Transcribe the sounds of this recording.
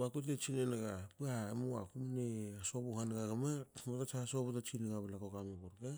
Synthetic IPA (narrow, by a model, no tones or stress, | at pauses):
akut̬et͡ʃinenaɡapuamua̰kumneasoβuhanɡaɡamamatat͡ʃasoβatat͡ʃineɡaβalakokameboɾɡa